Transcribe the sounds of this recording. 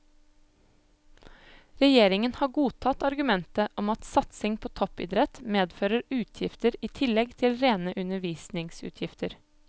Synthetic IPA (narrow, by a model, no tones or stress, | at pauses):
ɾɛjeːɾɪŋənhɑːɡuːt̪ʰɑt̪ɑɾɡʉmɛnt̪əʔɔmɑt̪sɑt̪sɪŋpʰoːt̪ʰɔpɪ̰d̪ɾɛt̪meːd̪føːɾəɾʉːt̪ʰjɪft̪əɾiːt̪ʰɪlɛɡt̪ʰɪlɾeːnəʔʉnəʋiːsnɪŋsʉ̰ːt̪ʰjɪft̪əɾ